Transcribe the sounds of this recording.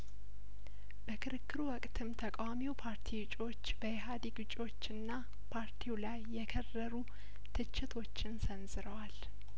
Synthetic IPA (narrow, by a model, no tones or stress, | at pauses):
b̥əkʰɨɾɨkʰːɨɾuwɔkʼt̪ʰɨmt̪ʰəkʼawamiwpʰaɾt̪ʰiwɨt͡ʃʼo̞t͡ʃːbəjeɦad̪iɡɨt͡ʃʼo̞t͡ʃːɨnːa | pʰaɾt̪ʰiwlajːɛkʰərːəɾu | t̪ʰɨt͡ʃːɪt̪ʰo̞t͡ʃːɪnsənzɨɾəwal